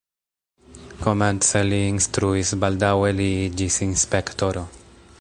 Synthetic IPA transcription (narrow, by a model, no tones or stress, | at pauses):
ko̞ment͡seliːnst̪ɾuisbald̪aweliid͡ʒisinspekt̪oɾo